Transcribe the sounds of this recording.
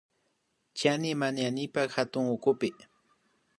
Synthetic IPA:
t͡ʃanɪmanjanɪpakhat̪ʊŋʊkʊpɪ

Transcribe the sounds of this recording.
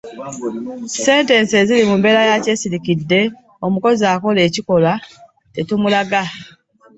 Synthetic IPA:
se̞ːnte̞nsezilimumbe̞lajace̞siɾikidːe̞ | omuko̞ziaːko̞le̞ːciko̞lwa | te̞tumulaɡa

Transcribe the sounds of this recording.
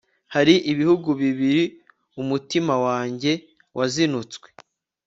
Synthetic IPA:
haɾiʔiβihuɡuβiβiɾi | umutimawaːɲɟe̞ | wʔazinut͡skwe̥

